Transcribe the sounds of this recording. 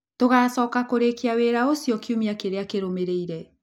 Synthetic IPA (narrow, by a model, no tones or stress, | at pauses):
toɣaːsɔkakoɾekiaweɾaosiɔkiumiakeɾeakeɾomeɾeiɾɛ